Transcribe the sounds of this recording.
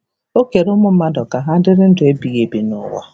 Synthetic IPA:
o˦ke˨ɾʊ˦mʊ˦m̩˦ma˦dɔ˨ka˨ɦa˦dɪ˦ɾɪ˦n̩˦dʊ˨e˦bi˨ɣe˨bi˨nʊ̰˦wɔ̰˦

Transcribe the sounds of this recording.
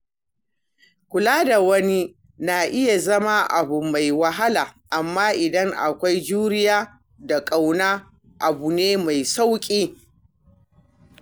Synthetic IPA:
kʷʊ˨laː˦da˨wɐ˦ni˦ | naː˨ʔɪ˦ja˨zɐ˦ma˦ʔa˨bʊ˨ma˨jwɐ˦ɦa˦laː˨ʔa˨mːaː˦ʔɪ˨dɐ˦ŋʔa̰˨kʷa˦jd͡ʒuː˦ɾɪ˦jaː˦ | da˨kʼa˨wnaː˦ | ʔa˨bu˨neː˦ma˨jsa˦wkʲʼeː˦

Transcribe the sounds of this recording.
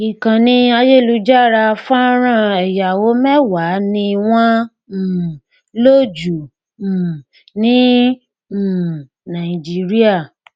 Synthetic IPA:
i˨kã˨nĩ˧a˧je˦˨lu˧˦d͡ʒa˦˨ɾa˧fã˦ɾ̃ã˦˨ɛ˨ja˨wo˨˦mɛ˦wa˨˦nĩ˧w̃ɔ̃˦˨ | lo˦d͡ʒũ˨ | nĩ˦˨ | nã˨i˨d͡ʒi˨˦ɾi˦a˦˨

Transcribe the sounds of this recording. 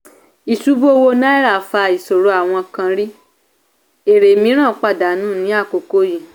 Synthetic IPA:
i˨su˨˦bo˦o˦wo˧na˦i˦ɾa˨fa˧i˨so˨ɾo˨˧˦a˨w̃ɔ̃˧kã˧ɾi˦ | e˨ɾe˨mĩ˧˦ɾ̃ã˦˨˦k͡pa˦˨da˨˦nũ˦˨nĩ˨˦a˦˨ko˨ko˦jĩ˨

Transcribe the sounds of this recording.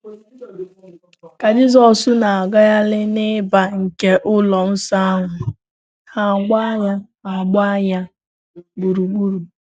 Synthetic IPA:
ka˨dɪ˦zɔ˦˨sʊ˦na˨a˨ɡa˦ja˦lɪ˦nɪ˦ba˨ŋ̩˨ke˦ʔʊ˦lɔ˨n̩˦sa˦a˦ŋʷʊ˨ | ha˦˨ɡ͡ba˦ɲa˦ | a˨ɡ͡ba˦ɲa˦ | ɡ͡bu˨ɾu˨ɡ͡bu˦ɾu˨

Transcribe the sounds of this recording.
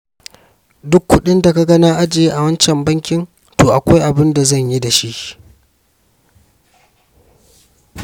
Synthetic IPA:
dʊ˦kːʊ˦ɗɪ˦nda˨ka˦ɡɐ˦naː˦ʔa˦d͡ʒe˨˦ʔa˨wɐ˦nt͡ʃɛ˨mbɐ˦ŋkʲɪ˦n | toː˨ʔa˨kʷa˦jʔa˨bɪ˦nda˨zɐ˦˨ɲji˦da˨ʃi˦ʔ

